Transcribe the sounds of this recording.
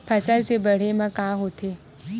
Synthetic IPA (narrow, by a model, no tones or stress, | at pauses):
pʰəsaɾsebəɽ̤emãkaɦot̪ʰe